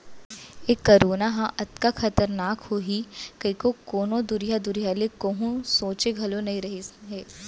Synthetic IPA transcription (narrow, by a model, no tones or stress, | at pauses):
eːkːɐɾoːnaɦãʔɐt̪kaxɐt̪əɾnaːkhoɦikɐikokoːnõd̪ʊɾijad̪ʊɾijalekoɦũsoːt͡ʃeɡʱɐlonɐɦĩɾɐɦiɦɛː